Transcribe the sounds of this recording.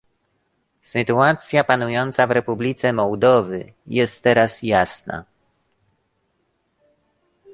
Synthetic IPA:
sɘt̪uat̪sʲjapanujɔnt̪savɾɛpublʲit̪sɛmɔwd̪ɔvɘjɛst̪ːɛɾasjasna̰

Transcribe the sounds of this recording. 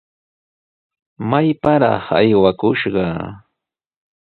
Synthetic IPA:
majpaɾɑ̰χa̰jwakʊʃɢɑ

